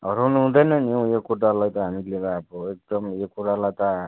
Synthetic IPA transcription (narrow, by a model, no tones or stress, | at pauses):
ɦʌɾownuɦũd̪ʌjnʌnijõjokuʈalajt̪ʌɦamilebaːbʌek̚d̪ʌmjokuɾalajt̪ʌ